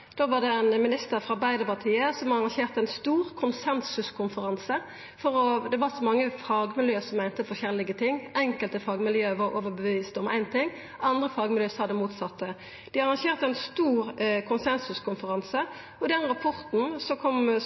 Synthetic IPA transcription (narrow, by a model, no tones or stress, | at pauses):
d̪̥oːʋɑʁd̪ɛænmɪnɪst̪əɾfʁɑʁbæɪd̪əpɑʁt̪ʰiːəsɔmhɑɑʁɑŋʃeːʁt̪æɪnst̪uːʁkʰʊnsɛnsʉskʰʊnfəʁɑnsə | fɔʁɔd̪ɛʋɑʁsɔmɑŋːəfɑːɡmɪljøːsɔmːæɪnt̪əfɔɕɛlɪɡət̪ʰɪŋːɛŋkəlt̪əfɑːɡmɪljøːʋɑʁo̰ːʋəʁbəʋiːst̪ɔmʔæ̰ɪnt̪ʰɪŋː | ɑnd̪ʁəfɑːɡmɪljøːshɑd̪əmuːt̪sɑt̪ːə | d̪̥ɪɑʁɑŋʃeːʁt̪əæɪnst̪uːʁkʰʊnsɛnsʉskʰʊnfəʁɑnsə | ɔd̪ɛnːəʁɑpʰɔʁt̪n̩sɔkʰɔm